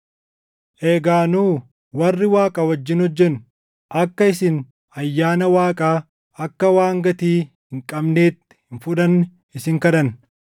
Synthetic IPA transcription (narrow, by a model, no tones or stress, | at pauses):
ʔeːɡaːnuː | wɐrːɪwaːkʼɐwɐd͡ʒːɪnɔd͡ʒːɛn | ʔɐkːɐɪsɪn | ɐjːaːnɐwaːkʼaː | ɐkːɐwaːŋɡɐt̪iːhɪŋkʼɐbneːt̪ːɪ̥hɪnfʊᶑɐnː | ɪsɪŋkɐᶑɐn